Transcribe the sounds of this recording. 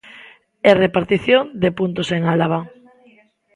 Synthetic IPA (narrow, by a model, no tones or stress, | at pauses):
erepaɾt̪iθjoŋd̪epunt̪oseŋalaβ̞a